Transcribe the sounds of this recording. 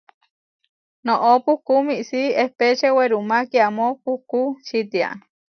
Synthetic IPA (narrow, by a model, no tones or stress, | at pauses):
nõʔopuhkumiʔsiehpet͡ʃeweɾumakiamopuhkut͡ʃit̪ia̰